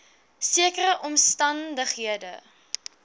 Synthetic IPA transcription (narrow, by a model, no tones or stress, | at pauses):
siəkəɾəʔɔmstɐndəχɦiədə